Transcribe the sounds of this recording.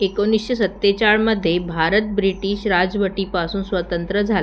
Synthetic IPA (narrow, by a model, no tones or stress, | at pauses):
ekonisɕesət̪ːet͡ɕaɭməd̪ʱːjebʱaɾət̪̚bɾiʈiːɕɾad͡zʋəʈipasuːnsʋət̪ənt̪ɾəd͡zʱal